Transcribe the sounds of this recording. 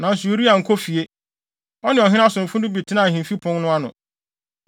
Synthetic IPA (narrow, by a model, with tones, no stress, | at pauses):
nã˨n̩˨sʊ˨o˨˦ɾi˦a˨ŋ̩˨kʰɔ˦fi˨e˦ | ɔ˦nɪ̃˨ɔ˨ɦɪ̃˦a˦sʊ̃˨m̩˨fʊ̃˦dʊ̃˦bi˨tʰɪ˦nã˨hĩ˨m˨fi˦pʰʊ̃˦ŋnʊ̃˦a˦nʊ̰̃˨